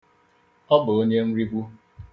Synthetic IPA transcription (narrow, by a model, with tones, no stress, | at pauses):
ɔ˦bʊ˨o˦ɲe˦m̩˦ɾi˦bu˦